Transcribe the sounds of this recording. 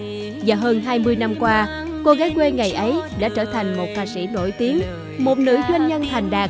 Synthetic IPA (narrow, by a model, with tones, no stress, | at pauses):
vaː˨˩wɦəː˧nɦaː˧jmɨ˧əjna˧mkwaː˧ | ko˧ɣaː˨˦jkwe˧ŋa˨˩jʔə˨˦jɗa̰ː˧˥t͡ɕəː˧˩t̪ʰa˨˩jŋ̟mo˨˩t̚kaː˧˩sḭ˧˩no̰˧˩jt̪i˨˦əŋ | mo˨˩t̚nɨ̰˧˥zwe˧nɲə˧nt̪ʰa˨˩jŋ̟ɗaː˨˩